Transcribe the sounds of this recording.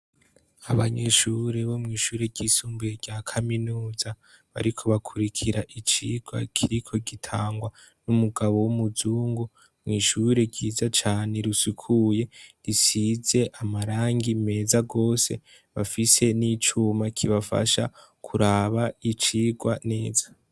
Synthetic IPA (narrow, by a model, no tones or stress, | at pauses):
aβaɲe̞ʃuɾe̞βo̞mŋiːʃuːɾe̞ɟisuːmbujeɟaːkʰaminuːza | βa̰ɾikʰo̞βakʰuɾikʰiɾaʔit͡ʃiɡ̥wa̰kʰiɾikʰo̞ɡitʰaːŋɡwa | numuɡaβo̞wumuzuːŋɡu | mŋiːʃuɾe̞ɟiːzat͡ʃaːne̞ɾusukʰuje̞ɾisize̞ʔamaɾaːŋɡime̞ːzaɡo̞ːse̞̰ | βafise̞nit͡ʃumakʰiβafa̰ʃa̰ | kʰuɾaβait͡ʃiːɡwane̞ːzḁ